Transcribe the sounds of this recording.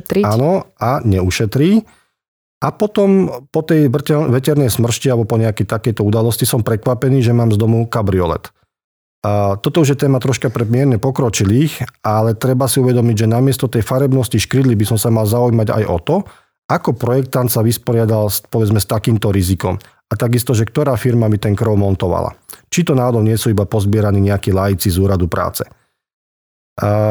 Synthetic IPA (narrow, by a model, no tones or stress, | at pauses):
aːnɔaɲɛuʃɛt̪ɾiː | ʔapɔt̪ɔmpɔt̪ɛjɛʋɛcɛɾnɛjsmr̩ʃcialbɔpɔɲɛakɛjt̪akɛjt̪ɔud̪alɔscisɔmpɾɛkʋapɛniːʒɛmaːmzd̪ɔmukabɾiɔlɛ̰t̪ | t̪ɔt̪ɔuʒjɛt̪ɛːmat̪ɾɔʃkapɾɛmɪɛɾɲɛpɔkɾɔt͡ʃiliːxalɛt̪ɾɛbasiuʋɛd̪ɔmiɟʒɛnamɪɛst̪ɔt̪ɛjfaɾɛbnɔsciʃkɾid̪libisɔmsamalzaujmaɟa̰jʔɔt̪ɔ | akɔpɾɔjɛk̚t̪ant̪saʋispɔɾɪad̪alspɔʋɛd͡zmɛst̪akiːmt̪ɔɾizikɔm | at̪aɡist̪ɔʒɛkt̪ɔɾaːfiɾmabit̪ɛnkɾɔʊmɔnt̪ɔʋa̰la̰t͡ʃit̪ɔnaːɦɔd̪ɔʊɲɪɛsuibapɔzbɪɛɾaniːɲɛakilajit͡sizuːɾad̪upɾa̰ːt͡sɛ̥